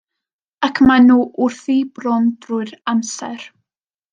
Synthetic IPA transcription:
akʰmanuːʔʊrθibrɔndrʊɨɾamsɛ̰ɾ

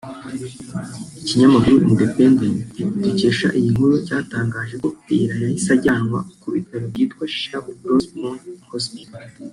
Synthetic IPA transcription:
iciɲamakuɾuʔindependentduce̞ːʃa̰ʔijiŋ̥uɾucaːtaːŋɡaːʒe̞ko̞ejiɾajahisaɟaːnŋwa̰kuβitaɾobɟiːtkwaʃi̥ʃaubɾosmonhosit

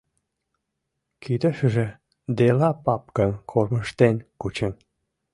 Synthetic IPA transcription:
kʰid̪əʃəʒĕ | d̪elɑpɑp̚kənkʰorməʃt̪enkut͡ɕə̆n

